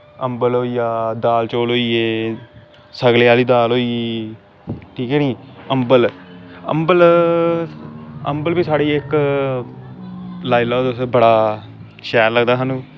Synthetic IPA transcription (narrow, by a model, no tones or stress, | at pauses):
əmbəloːiːjaːd̪aːlt͡ʃoːlɦoːiːeː | səɡleaːliːd̪aːloːiː | ʈʰiːkɛːniːəmbələ̰mbəl | ə̰mbəlbiːsaːɽiːɪk | laːilaːd̪osbəɽaː | ʃɛːɾləɡd̪aːɦaːnũː